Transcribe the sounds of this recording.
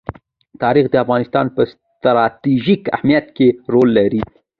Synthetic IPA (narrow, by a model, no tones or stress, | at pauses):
t̪ɑɾixd̪əafɣɑnɪst̪ɑnpəs | t̪ɾɑt̪iʒika̰hmijat̪keɾolːaɾi